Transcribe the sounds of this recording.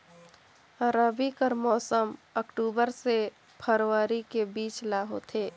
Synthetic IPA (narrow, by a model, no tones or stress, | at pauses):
ɾəbikəɾmɔːsəməkʈuːbəɾse | pʰəɾʋaɾikebiːt͡ʃlaːɦot̪ʰeː